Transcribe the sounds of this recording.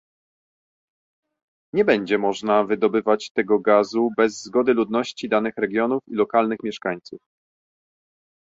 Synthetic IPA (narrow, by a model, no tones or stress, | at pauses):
ɲɛbɛɲd͡ʑɛmɔʐnavɘd̪ɔbɘvat͡ɕt̪ɛɡɔɡazubɛzːɡɔd̪ɘlud̪nɔɕt͡ɕid̪anɘxɾɛɡʲjɔnufilɔkalnɘxmʲjɛʂkaɲt̪suf